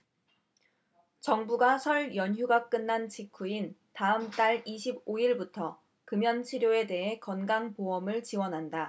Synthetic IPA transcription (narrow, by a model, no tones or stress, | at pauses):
t͡ɕʌŋbuɡasʰʌɭjʌɲçjuɡak͈ɯnːant͡ɕʰikʰuintaɯmt͈aɭiɕʰiboiɭbutʰʌ | kɯmjʌnt͡ɕʰiɾjoe̞de̞ɦe̞kʌnɡaŋpoʌmɯɭt͡ɕiwʌnɦanda